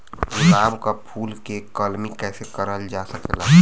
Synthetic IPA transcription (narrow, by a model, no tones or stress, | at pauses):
uɾaːbkapʰuːlkekɔːlmikɛːsekəɾəld͡ʒaːsəkela